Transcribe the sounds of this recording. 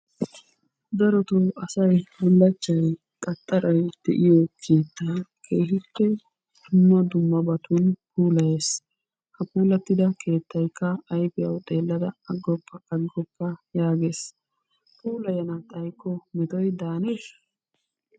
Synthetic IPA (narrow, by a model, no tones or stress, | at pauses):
d̪ɐɾɔt̪oɐsɐjmʊlːɐt͡ʃːɐj | kʼɐt̪ʼːɐɾɔjd̪̥ɛ̰ʔɪjɔkʰeːt̪ːaːkʰeːhɪpːɛ | d̪̥ʊmːɐd̪ʊmːɐbɐt̪ʰʊnpuːlɐjeːs | hɐpuːlɐt̪ːɪd̪ɐkʰe̞ːt̪ːɐjkːɐːjbɪjɐ̰wt̪ʼe̞ːlːɐd̪ɐɐɡɔpːɐkʼɐɡɡɔpːɐjaːɡes | puːlɐjɐnɐt̪ʼɐjkːɔmɛt̪ɔjd̪aːneʃɐ̥